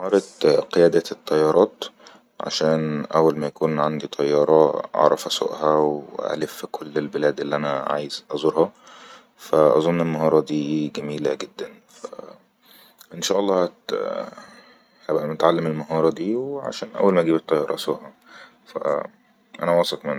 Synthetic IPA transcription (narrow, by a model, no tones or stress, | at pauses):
hɑːɾˤɑt̪qejæːd̪æt̪ˤːɑjːɑːɾˤɑːt̪ | ʕa̰ʃæːnʔæwːælmæjækuːnʕand̪it̪ʰɑjːɑːɾˤɑʔɑ̰ʕɾˤɑfʔæso̰ʔhæwʔæ̰lefkʰolːelbelæːd̪ʔelːiʔænæʕa̰ːjezʔɑzˤoɾhɑ | fæʔɑ̰zˤonːelmɑɦɑːɾˤɑd̪iːɡæmiːlæɡed̪ːæn | fæ̰ | ʔenʃɑʔɑlːɑːhæt̪ | hæbʔæmot̪ʕalːemelmɑɦɑːɾˤɑd̪iːwʕa̰ʃæːnʔæ̰wːælmæʔɡiːbet̪ˤːɑjːɑːɾˤɑʔæsoːʔhɑ | fæ̰ | ʔæ̰næwɑːsˤɑqmenː